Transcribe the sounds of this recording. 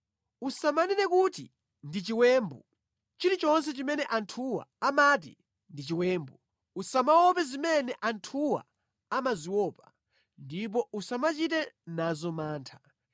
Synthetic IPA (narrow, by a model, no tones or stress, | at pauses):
usamanɛnɛkuti | ndit͡ʃiwɛːmbṵ | t͡ʃiɾit͡ʃɔnsɛt͡ʃimɛnɛʔantʰuwa̰amat̬ḭ | ndit͡ʃiwɛːmbu | usamawɔpɛzimɛnɛʔantʰuwa̰ | amaziwɔːpa | ndip̬ɔusamat͡ʃit̬ɛnazɔmaːntʰḁ